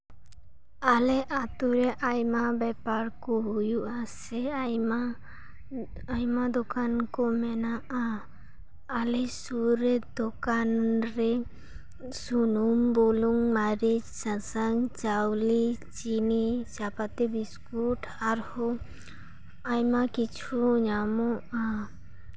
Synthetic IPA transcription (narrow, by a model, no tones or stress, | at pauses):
alɛʔat̪uɾɛʔajmabɛpaɾkɔɦujuʔasɛma | ajmad̪ɔkankɔmɛnaaː | lɛsuɾɛd̪ɔkanɾɛ | sunumboluŋmaɾesãsaŋt͡ʃawlit͡ʃinit͡ʃapat̪ebiskuʈʰaɾhɔ | ajmakit͡ʃʰuɲamɔ